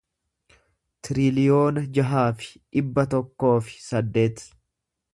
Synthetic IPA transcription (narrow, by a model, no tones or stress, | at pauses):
t̪ɪɾɪlɪjo̞ːnɐd͡ʒɐɦaːfɪ̥ᶑɪbːɐt̪ɔkːo̞ːfɪ̥sɐd̪ːe̞ːt̪